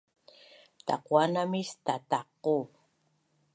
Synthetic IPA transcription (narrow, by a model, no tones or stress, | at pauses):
t̪a̰qwanamɪst̪at̪aqːo